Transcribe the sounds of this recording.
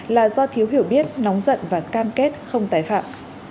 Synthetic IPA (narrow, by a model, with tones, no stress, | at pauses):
laː˨˩zɔ˧t̪ʰi˨˦əwɦi˧˩əwɓi˦˥ət̚nɔ˨˦wŋ͡mzə̰˧˨nvaː˨˩kaː˧mke˦˥t̚xə˧wŋ͡mt̪aː˨˩jfa̰ː˧˨m